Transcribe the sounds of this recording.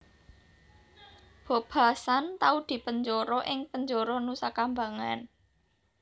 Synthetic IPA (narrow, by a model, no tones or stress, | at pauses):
b̥o̤b̥a̤sant̪aud̪̥i̤pəɲd͡ʒɔɾɔʔɪŋpəɲd͡ʒɔɾɔnusakambaŋa̰n